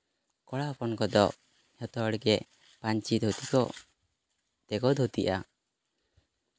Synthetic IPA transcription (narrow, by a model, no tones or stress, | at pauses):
kɔɽapɔnkɔd̪ɔʔ | hɔt̪ɔɽɡɛ | paɲt͡ʃid̪ɦut̪ikɔ | t̪ɛɡɔd̪ʱut̪iʔa